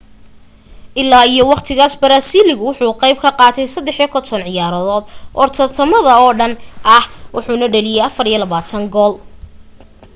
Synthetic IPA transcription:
ʔɪlːaːijɔwɑqt̪ʰɪɣaːsbɐɾaːsiːlɪɣʊwʊħuːqɑjb̚kʰɐqɑːt̪ʰɛjsɐd̪ɛħjɔkʰɔnt̪ʰɔnʕɪjaːɾɐðɔːd̪ʔɔrt̪ʰɔt̪ʰɐmɐðɐɔːɖɐnʔɐhwʊħuːnɐɖɛlɪjɛjɐfɐɾijɔlɐβaːt̪ʰɐŋɡɔːl

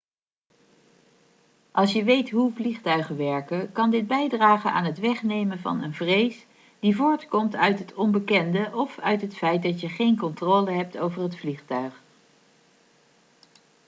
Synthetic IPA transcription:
ʔɑlˠsjəʋejtɦuvliχtœɥχəʋɛɹkəkɑndɪd̚bɛjdraːχənaːnɦətʋɛχnejmənvɑ̰nənvrejs | d̥ivʊːɹtkɔmtœɥtɦətʰɔmbəkɛndəʔɔfœɥtɦətfɛjt̚dɑtjəχejnkɔntroːləɦɛp̚towvərɦətfliχtœɥχ

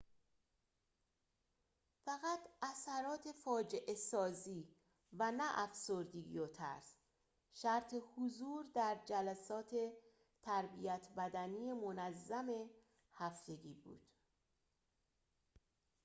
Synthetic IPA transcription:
fæɣæt̪ʰæsæɾɒːt̪ʰe̞fɒːd͡ʒeʔe̞sɒːziː | vænæʔæfsoɾd̪iɡijot̪ʰæ̰ɾs | ʃæɾt̪ʰe̞huzuːɾd̪æɾd͡ʒælæsɒːt̪ʰe̞ | t̪ʰæɾbijæt̪ʰbæd̪æniːjemonæzːæme̞ | hæft̪e̞ɡiːbṵːd̪̥

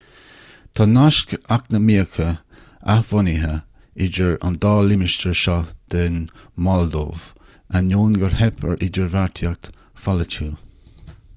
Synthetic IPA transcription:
t̪ʰɑnaʃkaknəmiəkʰə | a̰hv̥ʊniɦə | ɪd͡ʒəɹa̰nd̪ɑːlɪmɪʃtəɹʃɔd̪̥ɛnmɔld̪o̰ːv | anoːnɡəɹhɛpʰə̰ɹʔɪd͡ʒəɹvaɹt̪ʰjak̚t̪ | falət͡ʃʰuː

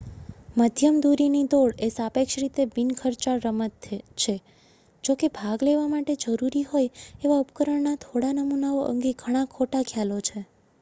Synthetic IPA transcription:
məd̪ʱjəmd̪uɾinid̪oɽesapekʃɾit̪ebinkʰəɾt͡ʃaɾəmət̪t͡ʃʰe | d͡ʒokebʱaɡleʋamaʈed͡ʒəɾuɾiɦojeʋaupkəɾəɳnat̪ʰoɽanəmunaoʔə̰ŋɡeɡʱəɽ̃akʰoʈakʰjalot͡ʃʰe

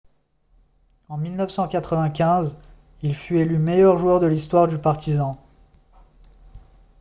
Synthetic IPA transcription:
ɑ̃milnəfsɑ̃kat̪χəvɛ̃kʲɛ̃z | ilfyelymejœʁʒuœʁd̪əlist̪waʁd̪ypaʁt̪izɑ̃

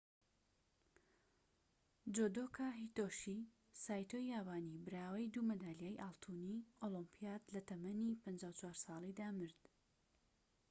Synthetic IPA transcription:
d͡ʒod̪okʰaːɦit̪oʃi | saːjt̪ʰojaːwaːnibɨɾaːwɐjd̪umɐd̪aːljejʔalˠt̪ʰuniʔolɔmpʰijaːd̪lɐt̪ɐmɐnipɐnd͡ʒaːwt͡ʃʰwaːɾsɑːlˠid̪aːmɨɾd̪̥

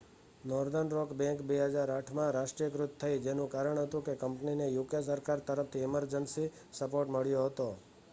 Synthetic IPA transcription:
nɔɾd̪ənɾɔkbɛ̃ŋkbeɦəd͡ʒaɾaʈʰmãɾaʃʈɾijəkɾʊt̪tʰːəid͡ʒenũkaɾəɳ̃ɦət̪ũkekəmpninejukes̬əɾkaɾt̪əɾəft̪ʰiɪməɾd͡ʒənsi | səpoɾʈməɭjoɦət̪o

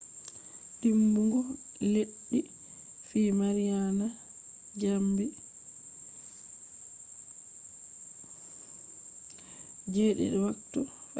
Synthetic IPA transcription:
ɗimbuŋɡɔ | leɗːi | fiːmaɾijana | d͡ʒambi | d͡ʒeːɗɛ̰ɗɛwaktɔ

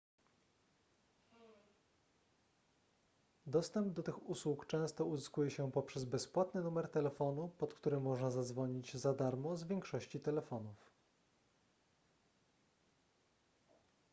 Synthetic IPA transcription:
d̪ɔst̪ɛmbd̪ɔt̪ɘxuswukt͡ʂɛ̃w̃st̪ɔuzɘskujɛɕɛpɔpʂɛzbɛspwat̪nɘnumɛɾt̪ɛlɛfɔnupɔt̪kt̪uɾɘmːɔʐnazad̪zvɔɲid͡ʑzad̪aɾmɔzvʲjɛŋkʂɔɕt͡ɕit̪ɛlɛfɔnuf

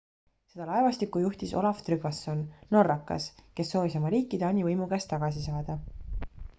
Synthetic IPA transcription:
se̞d̪ɑlɑevɑst̪ikːˑujuht̪iso̞̰lɑft̪ryɡɑsːo̞nno̞rːɑkːɑ̰ske̞sːo̞ːvisomɑɾiːkːˑid̪eɑnʲivɤjmuɡ̥æst̪ːɑɡ̥ɑsisɑːd̪̥ɑ

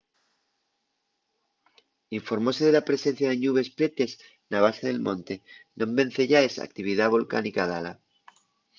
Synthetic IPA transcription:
iɱfo̞ɾmo̞se̞ð̞elapɾe̞sẽ̞n̟θjaðeɲuβ̞e̞spɾe̞t̪e̞s | naβ̞aseð̞e̞lmõ̞nt̪e̞nõ̞mbẽ̞n̟θe̞ʝaesa̰k̚t̪iβ̞iðaβo̞lka̰nikaðala

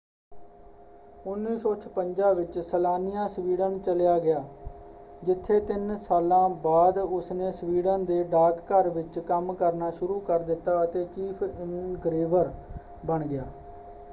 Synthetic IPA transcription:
ʊnːiːsɔ̃ːt͡ʃʰpəɲd͡ʒãːʋɪt͡ʃsəlaːnɪjãːsʋiːɽəmt͡ʃəljaːɡɪjaː | d͡ʒɪt̪ʰːeːt̪ɪnsaːlãːbaːd̪ʊsneːsʋiːɽənd̪eːɖaːkːəɾʋɪt͡ʃkəmkəɾnaːʃʊɾuːkəɾd̪ɪt̪ːaːət̪eːt͡ʃiːpʰɪŋnɡɾeːʋəɾ | bəɳɡɪja̰ː

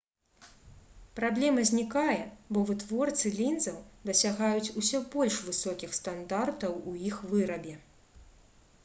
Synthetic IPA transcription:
pɾablʲɛmɐzʲnʲikajɛbɔvɨt̪vɔrt̪sɨlʲind̪zɐwd̪ɐsʲaɣajut͡sʲusʲɔbɔlʲʂvɨsɔkʲixst̪and̪art̪ɐwujixvɨɾɐbʲɛ

